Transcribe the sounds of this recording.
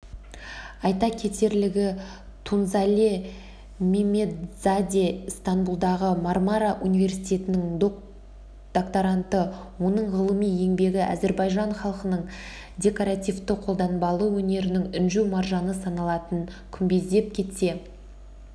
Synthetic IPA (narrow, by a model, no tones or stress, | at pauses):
ɑjt̪ɑkʲʰe̞t̪e̞ɾlɪɡʲɪ | t̪ʰunzalʲe | memʲe̞zad̪ʲest̪anbulˠd̪ɑʁəmarmaɾaʔunijvʲe̞ɾsijt̪ʲe̞t̪ɪnɪŋd̪o | d̪̥okt̪aɾant̪ə | wo̞nəɴʁəlˠəmije̞ŋbe̞ɡʲɪʔæ̰ze̞ɾbɑjʒɑɴχɑlˠqənəɴ | dʲe̞koɾat̪ʲijvt̪əqʰo̞lˠd̪ɑnbɑlˠəwɵne̞ɾɪnɪŋʏnʒumarʒɑnəsɑnɑlˠɑt̪ən | kʲʰʏmbe̞zd̪e̞p̚kʲʰe̞t̪se̞